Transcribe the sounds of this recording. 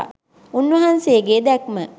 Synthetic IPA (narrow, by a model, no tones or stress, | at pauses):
unʋɐɦanseəɡeːd̪ɛkmə